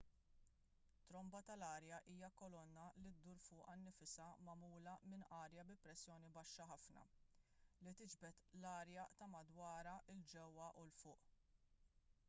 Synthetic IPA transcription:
t̪ːɾɔmbɐt̪ɐlɐːɾjɐʔiːjɐkɔlɔnːɐlid̪uːɾfʊːʔɐnːɪfɪsɐmɐmuːlɐmɪnʔɐːɾjɐbɪpɾɛsːjɔːnibɐʃːɐħɐfnɐ̰ | lit̪ɪd͡ʒbɛt̪lɐːɾjɐt̪ɐmɐd̪wɐːɾɐʔɪld͡ʒɛwːɐʔʊlfʊːʔ

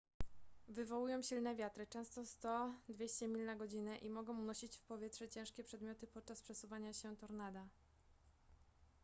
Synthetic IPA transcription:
vɘvɔwujɔ̃w̃ɕilnɛvʲjat̪ɾɘt͡ʂɛ̃w̃st̪ɔst̪ɔd̪vʲjeɕt͡ɕɛmʲilnaɡɔd͡ʑinɛʔimɔɡɔ̃w̃unɔɕit͡ɕfpɔvʲjɛtʂɛt͡ɕɛ̃w̃ʂkʲɛpʂɛd̪mʲjɔt̪ɘpɔt̪̚t͡ʂaspʂɛsuvaɲaɕɛt̪ɔɾnad̪a

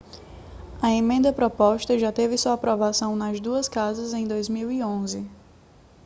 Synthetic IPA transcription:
ɐẽmẽnd̪ɐpɾɔpɔʃt̪ɐʒat̪evɪsuɐapɾɔvasɐ̃w̃nɐzd̪uɐskazɐzẽj̃d̪ojzmiwiõzɪ

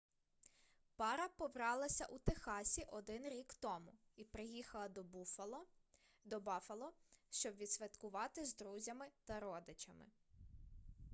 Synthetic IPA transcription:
pɑɾɐpɔʋɾɑlˠɐsʲɐʔut̪exɑsʲiʔɔd̪ɪnɾʲikt̪ɔmʊipɾɪjixɐlˠɐ | d̪ɔbɑflˠɔʃt͡ʃɔbʋʲid̪sʲʋʲɐt̪kʊʋɑt̪ɪzd̪ɾuzʲɐmɪt̪ɐɾɔd̪ɪt͡ʃɐmɪ̰

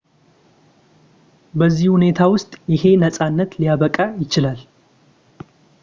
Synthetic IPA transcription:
bəzːihune̞t̪ʰawʊst̪ʼjɪhe̞nəsʼanːət̪lijaβəkʼajɪt͡ʃɪlal

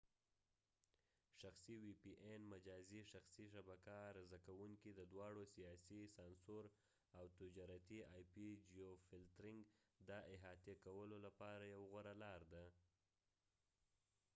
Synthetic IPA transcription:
ʃaxsiwipiʔenmad͡ʒɑziʃaxsiʃabakaɾazakawuŋkid̪əd̪wɑɽosijɑsisɑnsoɾ | awt̪ʊd͡ʒɑɾat̪iɑjpid͡ʒiofɪlt̪ɾɪŋɡd̪ɑʔɪɦɑt̪jakawəlolapɑɾajawɣaɾalɑɾd̪a

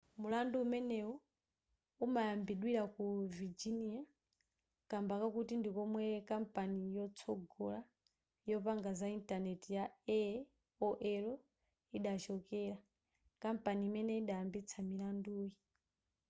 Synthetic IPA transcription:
mulanduːmɛnɛɔ | umajambiɗwiɾakuvid͡ʒinia | kambakakutindikɔmwɛkam̩panijɔt͡sʰɔɡɔla | jɔpaŋɡazaintʼanɛtijaɛ | ɔʔɛɾɔ | iɗat͡ʃɔkɛɾa | kampaniːmɛnɛiɗajambit͡sʰamilanduːji

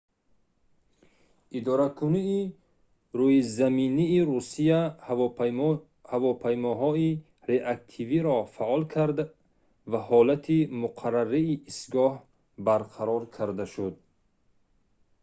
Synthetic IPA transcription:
ʔid̪ɔɾakʰuniː | ɾujizaminiːɾusia | havɔpʰajmɔɦɔi | ɾeʔak̚t̪ʰiviɾɔfaʔɔlkʰaɾd̪a | vahɔlat̪ʰimuqʰaɾaɾiːʔːsɡɔh | baɾqʰaɾɔɾkʰaɾd̪aʃud̪̚

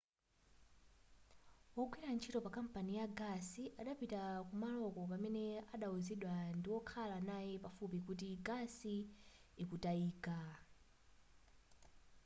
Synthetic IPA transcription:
wɔɡwiɾant͡ʃʰitɔpakam̩panijaɡasiʔaɗapitakumalɔkɔpamɛnɛaɗauziɗwandiwɔkʰalanajɛpafupikut̬iɡasiː | kutaiːka

